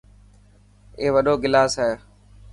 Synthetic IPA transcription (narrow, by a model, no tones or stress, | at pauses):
eːʋəɗoːɡɪlaːsɦaeː